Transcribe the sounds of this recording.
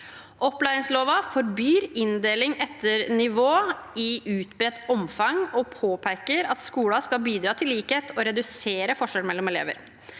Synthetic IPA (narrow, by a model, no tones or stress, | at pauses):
ʔɔpːlæɪɪŋsloːʋɑfɔɾbjyːɾɪnd̪eːlɪŋɛt̪ːəɾnɪʋoːɪʔʉːt̪bɾɛt̪ːɔmfɑŋɔpʰoːpʰæɪkəɾɑt̪skuːlɑskɑlbiːd̪ɾɑːt̪ʰɪlːiːkheːt̪ʰɔɾɛd̪ʉseːɾəfɔʂɛlmɛlːɔmɛlḛːʋə̰ɾ